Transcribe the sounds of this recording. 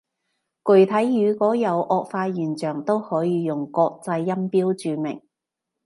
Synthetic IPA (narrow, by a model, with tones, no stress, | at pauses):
kɵ˨˩ɥt̪ʰɐ˨˥jːyː˨˧kɔː˨˥jɐ˨˧˥wʔɔː˧k̚faː˧jyː˨˩nt͡ʃœː˨˩ŋt̪o˥whɔː˨˥jiː˨˧jʊ˨˩ŋkɔː˧k̚t͡sɐ˧jːɐ˥mpiː˥wt͡ʃyː˨˧mɪ̰˨˩ŋ